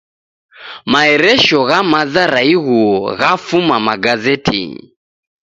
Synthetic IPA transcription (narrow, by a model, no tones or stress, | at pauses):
maɛɾɛʃɔɣamazaɾaiɣuɔɣafumamaɡazɛtʰḭ